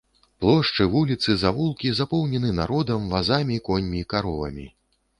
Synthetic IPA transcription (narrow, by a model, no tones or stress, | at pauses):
plˠɔʂt͡ʂɨvulʲit̪sɨzavulˠkʲizapɔwnʲɛnɨnaɾɔd̪ɐmvazamʲikɔnʲmʲiːkaɾɔvɐ̰mʲḭ